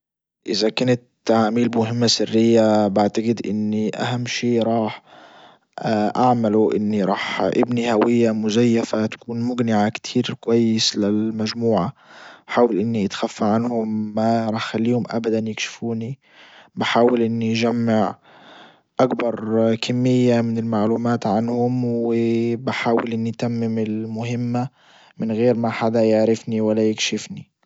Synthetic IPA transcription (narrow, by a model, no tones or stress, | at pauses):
ʔɪzakaːnat̪ːaʕaːmiːlbɪmʊɦɪmːasɪrːɪjːabaʕt̪aɡɪd̪ʔɪnːiʔa̰hamːʃeːɾˤɑːħ | ʔaʕmaluʔɪ̰nːiɾˤɑːħʔɪbnihawɪjːamʊzajːafat̪ḁkuːnmʊɡnɪʕakt̪ʰiːɾɪlkʊwajːɪslɪlmaʒmuːʕaħaːwalʔɪnːiʔɪt̪xafːaʕanhʊmːaɾˤɑxalːiːhʊmʔa̰bad̪anjɪkʃɪ̥fuːni | bɪħaːwɪlʔɪnːid͡ʒamːɪʕ | ʔakbɑɾˤkʰamːɪjːamɪnɪlmaʕluːmaːt̪ʕanhʊmwɪbɪħaːwɪlʔɪnːit̪amːɪmɪlmʊhɪmːa | mɪnɣeːɾmaħad̪ajɪʕɾɪfniwalːajɪkʃɪfni